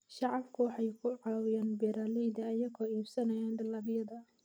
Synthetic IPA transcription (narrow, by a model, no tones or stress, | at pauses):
ʃɑʕɑbkʰʊwɑħɑjkʰʊʕɑːwɪjaːnbɛɾaːlɛjd̪ɐːjɐɣʰɔiːbsɐnɐjaːndɐlaːbjɐd̪ɐ